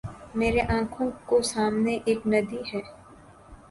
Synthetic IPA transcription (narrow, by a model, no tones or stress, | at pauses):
meːɾeʔãːkʰõkosaːmneʔeːknɐd̪iɦɛː